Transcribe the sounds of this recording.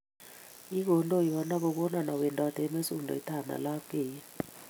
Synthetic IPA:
i˦ko˨ndʱʼɔ˦i˨wɔ˨na˦k̬ɔ˦k̬ɔ˦na˨na˨wɛ˨ndʱʼɔ˨d̥ʱɛ˨ɛ˦me˦su˦ndʱɔ̰˨ɛ˦tʰa˨na̰˨la˦keː˨ja˦

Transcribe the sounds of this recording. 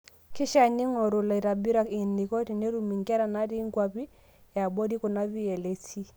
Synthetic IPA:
ki˦ʃa˨ni˦ŋɔ˨ɾu˨la˨i˨ɾa˨bi˦ɾa˦ki˨ni˨kɔ˦ti˨ne˦ɾu˨mi˨ŋkɛ˦ɾa˨na˦ɾi˦ŋkwa˨pi˦ | ja˨bɔ˦ɾi˦ku˨na˦βi˦ɛ˨le˦si˦

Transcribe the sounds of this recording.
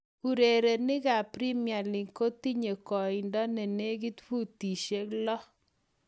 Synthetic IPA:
u˨ɾe˨ɾe˨nɪ˦ɡa˨pɾi˦mja˨lɪ˨ŋko˦ti˦ɲe˨kɔ˨ɪ˨ndɔ˦nɛ˨ne˦ɡi˦tpu˦˨ti˨ʃe˦klɔ˦

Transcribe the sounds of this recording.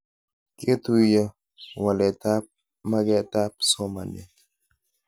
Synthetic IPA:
ke˦t̪u˦jə˦ | wa˨lɛ˨ta˦p̚ | ma˦ɡɛ˦t̪a˦p̚sɔ˦ma˨ne˨

